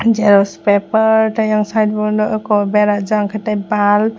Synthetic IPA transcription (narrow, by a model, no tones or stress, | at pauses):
d͡ʒɛɾɔspɛpəɾtʰajaŋsajd̚bɔnɔʔɔkɔbɛɾaʔd͡ʒaŋkʰatajbal